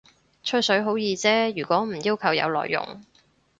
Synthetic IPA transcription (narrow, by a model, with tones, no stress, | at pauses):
t͡ʃʰɵ˥sɵ˨˥ɥɦo˨˥wjiː˨˧t͡sɛː˥jyː˨˩kʷɔː˨˥m̩˨˩jiː˥wkʰɐ˨˩wjɐ̰˨˧wlɔ̰ː˨jːʊ̰˨˩ŋ